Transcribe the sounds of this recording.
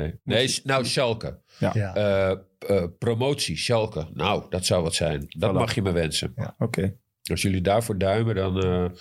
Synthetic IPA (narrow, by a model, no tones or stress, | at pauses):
neneːnowʃɔlˠkə̰ | ə | promoːt͡siʃɔlˠkənowdɔtsawʋɔtsɛ̰jndɔmaxjəməʋɛnsə̰noke | ɔsjølˠidaːɹfoːɹdœɥmədɔn